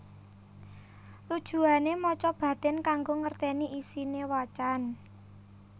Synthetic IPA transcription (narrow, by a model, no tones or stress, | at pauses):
t̪ud̥ʒ̥ṳanemɔt͡ʃɔb̥ä̤d̪̥ɛ̤nkaŋɡoŋərt̪ɛniʔisinewɔt͡ʃan